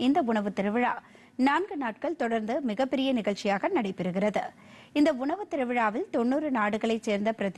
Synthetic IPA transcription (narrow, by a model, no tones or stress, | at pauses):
ɪnd̪ɐʊɳɐʋɯt̪ːɪɾɐʋɪɻa̰ː | naːnɡɯnaːʈ̚kɐɭt̪ɔɽɐɾnd̪ɯmɪɣɐpːɛɾɪjɐnɪɣɐɭt͡ʃːɪjaːɣɐnɐɽɐɪpːɪɾɯɣɪrɐðɯ | ɪnd̪ɐʊɳɐʋɯt̪ːɪɾɐʋɪɻaːʋɪlt̪ɔnːuːɾɯnaːɽɯɣɐɭɐɪt͡ʃːeːɾnd̪ɐpɪɾɐð